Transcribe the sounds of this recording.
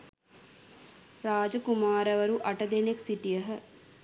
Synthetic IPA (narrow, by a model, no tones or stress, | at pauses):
ɾaːd͡ʒəkumaːɾɐʋɐɾuʔɐʈɐd̪eneksiʈijəɦə